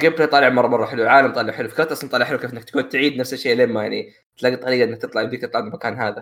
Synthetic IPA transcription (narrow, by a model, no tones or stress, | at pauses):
ɡeːbkt̪ˤɑlɪʕmɑrˤːɑmɑrˤːɑħɪlwʕaːlamt̪ˤɑːlɪʕħɪlufḁkɾt̪ʔɑsˤɑnt̪ˤɑːlɪʕħɪluwkeːfʔɪnːakt̪kuːnt̪ʕiːd̪nafsaʃeːʔlɪmːajaʕnḭ | t̪laɡːit̪ˤːɑɾiːɡɑʔɪnːak̚t̪ɨt̪ˤlɑʕɪnd̪ikt̪ɨt̪ˤlɑʕmakaːnɦaːða